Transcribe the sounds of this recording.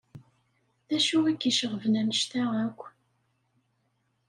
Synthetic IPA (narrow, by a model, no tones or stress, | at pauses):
ðæʃuækːiʃəʁəvnænəʃt̪æækʷː